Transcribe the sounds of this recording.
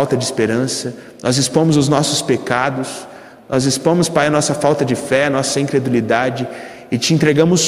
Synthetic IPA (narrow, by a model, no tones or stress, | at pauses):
wt̪ɐd͡ʒɪispeɾɐ̃sɐ | nʔɔzɪspõmʊzʊznɔsʊspekad̪ʊs | nɔzɪspõmʊspajɐnɔsɐfawt̪ɐd͡ʒɪfɛɐnɔsɐĩŋkɾed̪ulid̪ad͡ʒɪ | ɪt͡ʃɪẽnt̪ɾeɡɐ̃mʊs